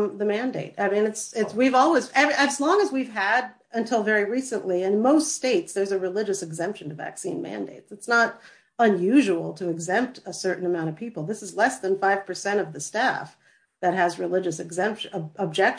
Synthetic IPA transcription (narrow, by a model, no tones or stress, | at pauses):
ðɨmæ̃ndeɪɾ̚a̰ɪmĩnɨtsɪtswivɔlˠwizɛvʔɨzlɔ̃ŋɨzwiv̥ɨɾ | ɨ̃ntʰɪlˠvɛɹiɹisɨ̃nʔliɨ̃nnmoʊststeɪtsðə˞zɨɹɨlɪd͡ʒɨsɨɡzɛ̃mpʃɨ̃nʌvæ̰ksḭ̃nmæ̰̃ndḛɪtsɨtsnəɾ | ə̃njʉʒəwl̩ˠtʰɨɨɡzɛ̃mp̚təsɜ˞ʔn̩əmãʊ̃ɾ̃ʌv̥pʰipl̩ˠðɪsəzlɛsðə̃nfaɪv̥pʰə˞sɛ̃ɾ̃ʌvðɨstæf | ðɨt̚ɦɨzɹɨlɪd͡ʒɨsɨɡzɛ̃mpʃəb̚d͡ʒɛk